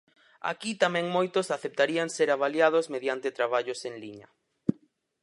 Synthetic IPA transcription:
a̰kit̪amɛ̃ŋmojt̪ʊsaθep̚t̪aɾiaŋseɾaβaljað̞ʊzmeðjant̪et̪ɾaβ̞aʎʊseŋliɲɐ̰

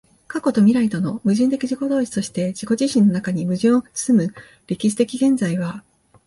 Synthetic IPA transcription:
kako̞t̪o̞mʲiɾait̪o̞no̞mɯ̟ʑɨ̃nt̪e̞kʲiʑiko̞d̪o̞ːɕi̥t̪o̞ɕi̥t̪e̞ʑiko̞ʑiɕĩnːo̞nakaɲ̟imɯ̟ʑĩɰ̃okɯ̥t͡sɨ̥sɨmɯ̟ | ɾʲikʲiɕi̥t̪e̞kʲiɡẽ̞nzaiβ̞a

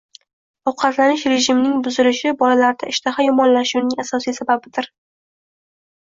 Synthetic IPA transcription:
ɒwqʰɑt̪lanɪʃɾe̞ʒɪmnɪŋbʊzɪlɪʃɪbɒlalaɾd̪aɪʃt̪ʰaχajɒmɒnlaʃunɪŋasɒsijsababɪd̪̥ɪɾ

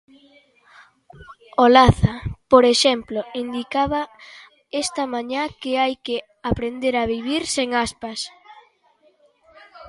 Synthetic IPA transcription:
olaθapoɾeʃemploind̪ikaβa | est̪amaɲakeajke | apɾend̪eɾaβiβiɾseŋaspas

